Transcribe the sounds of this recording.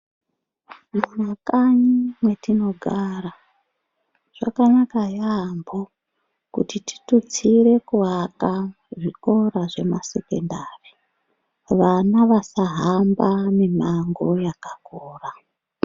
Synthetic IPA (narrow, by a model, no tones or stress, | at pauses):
munakaɲimwe̞tino̞ɡʱara | ʐ̥a̰kanakajambo | kṵtiti̥tut͡sire̞kuɦaka | ʐiko̞ɾaʐe̞masekendaːre | ʋanaʋasaɦambanemaŋɡojakakoːra